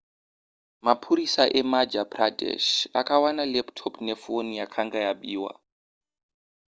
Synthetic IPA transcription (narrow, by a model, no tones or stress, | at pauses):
mapʰuɾisaʔɛmad͡ʒapradɛ̰ʃa̰kawanalɛptʰɔpnefonijakʰaŋɡajaɓiːwa̰